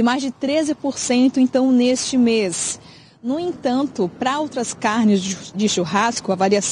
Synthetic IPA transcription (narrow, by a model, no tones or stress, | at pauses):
ɪmajzd͡ʒɪt̪ɾezɪpoɾsẽnt̪ʊẽnt̪ɐ̃w̃nest͡ʃɪmes | nʊẽt̪ɐ̃nt̪ʊpɾɐowt̪ɾɐskaɾnɪzd͡ʒɪʃuɦaskʊavaɾias